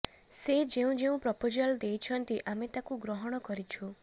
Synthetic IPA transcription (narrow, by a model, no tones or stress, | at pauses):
sed͡ʒeũd͡ʒeũpɾɔpod͡ʒald̪ejt͡ʃʰɔnt̪iʔamet̪akuɡɾɔɦɔɽ̃ɔkɔɾit͡ʃʰu